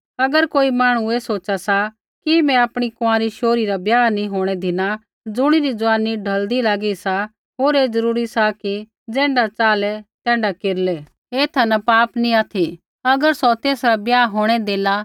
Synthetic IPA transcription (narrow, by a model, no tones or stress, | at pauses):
ɐɡəɾkoːimaːɽ̃ueːsoːt͡ʃasa | kimɛ̃aːpɽ̃ikʊãːɾiʃoːɾiɾabjaːnĩɦoːɽ̃ɛd̪ʱɪna | d͡zʊɽ̃iɾid͡zʊaːniɖʱɐld̪ilaːɡisa | ɦoːɾeːd͡zɐɾuːɾisaki | d͡zɛ̃ːɳɖat͡saːlɛt̪ɛ̃ːɳɖakeːɾlɛ | eːt̪ʰanapaːpnĩaːt̪ʰi | ɐɡəɾsɔt̪eːsɾabjaːɦoːɽ̃ɛd̪eːla